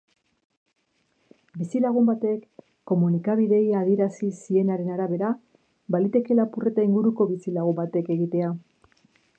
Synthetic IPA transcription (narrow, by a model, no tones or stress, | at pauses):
bisilaɣ̞umbat̪e̞kː | o̞munikaβ̞iðe̞jaðie̞ɾasisie̞naɾe̞naɾaβ̞e̞ɾa | balit̪e̞ke̞lapure̞t̪aiŋɡuɾuko̞βisilaɣ̞umbat̪e̞ke̞ɣit̪e̞a